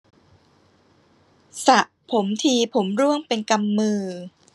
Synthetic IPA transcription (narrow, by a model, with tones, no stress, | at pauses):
sa˨˩ʔ | pʰo˩˦mt̪ʰiː˧pʰo˩˦mɾu˥˩əŋpe˧nka˧mːɯː˧